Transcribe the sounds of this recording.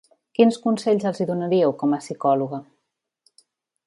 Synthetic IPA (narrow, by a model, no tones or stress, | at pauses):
kinskunseʎʲzəlˠziðunaɾiəwkɔməsikɔluɣə